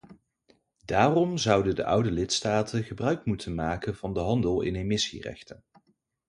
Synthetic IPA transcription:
daːrɔmzʌwdədə̰ʔʌwdəlɪtstaːtʰənχəbrœɥkmutʰənmaːkənvɑndəɦɑndəlˠɪ̰nemɪsḭrɛ̰χtən

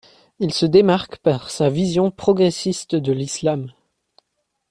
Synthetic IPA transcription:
ilsəd̪emaʁkpaʁsavizjɔ̃pχɔɡʁesist̪d̪əlislam

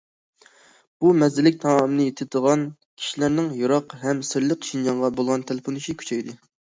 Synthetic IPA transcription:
b̥umɛzɪlɪk̚ʲt̪ʰɑmmnɨjet̪ʰɪd̪əʁɑn | kʲʰi̥ʃilæɾnɪŋjoɾɑqɦɛmsɪɾlɪqʃind͡ʒɑɴʁɑbolˠʁɑnt̪ʰelˠɪponɨʃikʲʰy̥t͡ʃʰɛjd̪ɨ

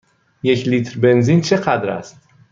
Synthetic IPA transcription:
jecʰliːt̪ɾbe̞nziːnt͡ʃʰeɢæd̪ɾæ̰st̪

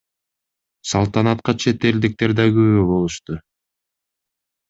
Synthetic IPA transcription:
sɑlˠt̪ɑnɑt̪̚qɑt͡ʃʰe̞t̪e̞ld̪ik̚t̪e̞ɾd̪ɑɡøβøbo̞lˠuʃt̪ʊ

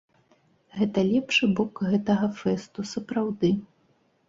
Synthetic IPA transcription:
ɣɛt̪ɐlʲɛpʂɨbɔkɣɛt̪ɐɣɐfɛst̪usɐpɾawd̪ɨ

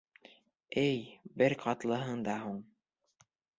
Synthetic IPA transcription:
ɘjbɘɾqʰɑt̪lˠɤ̆ɦɤɴd̪ɑɦuɴ

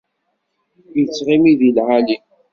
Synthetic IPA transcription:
jət͡sːʁimiðilʕali

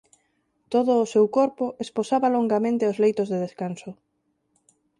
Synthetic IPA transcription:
t̪oðʊːsewkoɾpʊʔesposaβaloŋɡamẽnt̪eʊzlejt̪ozðeðeskansʊ

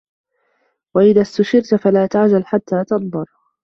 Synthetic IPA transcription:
waʔɪðaːst̪ʊʃɪɾt̪falaːt̪aʕd͡ʒalħat̪ʰːaːt̪ɑnˤd̪ˤʊɾ

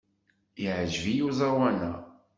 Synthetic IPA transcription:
iʕəʒvijuzˤɑwanæ̰

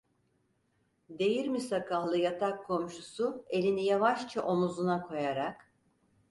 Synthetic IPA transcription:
d̪e̞jiɾmisakʰahlˠɯjat̪ʰakʰːo̞mʃusue̞lʲinijavaʃt͡ʃʰaʔo̞muzunakʰo̞jaɾak

